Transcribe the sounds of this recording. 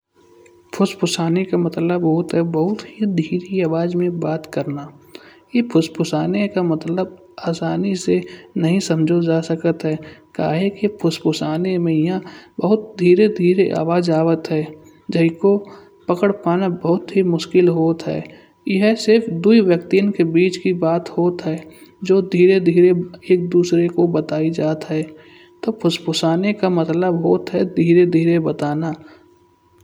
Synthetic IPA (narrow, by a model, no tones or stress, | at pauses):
pʰʊspʊsaːnekamət̪ləbɦoːʊt̪ɦɛbəɦʊt̪ɦid̪ʱiːɾiaːʋaːd͡ʒmẽbaːt̪kəɾnaːjepʰʊspʊsaːnekamət̪ləb | aːsaːnisenɐɦĩsə̃md͡ʒʱod͡ʒaːsəkət̪ɦɛːka̰ːɦekepʰʊspʊsaːnemẽjɐɦãbəɦʊt̪̚d̪ʱiːɾed̪ʱiːɾeʔa̰ːʋaːd͡ʒaːʋət̪ɦɛː | d͡ʒəɦiko | pəkəɽpaːnabəɦʊt̪ɦimʊʃkɪlɦoːt̪ɦɛ̰ː | jɪɦsɪɾfʰd̪uiwjəkt̪iənkebiːt͡ʃkibaːt̪hoːt̪ɦɛːd͡ʒoːd̪ʱiːɾed̪ʱiːɾeeːk̚d̪uːsɾekobət̪aːid͡ʒaːt̪ɦɛː | t̪oːpʰʊspʊsaːnekamət̪ləbɦoːt̪ɦɛd̪ʱiːɾed̪ʱiːɾebət̪aːna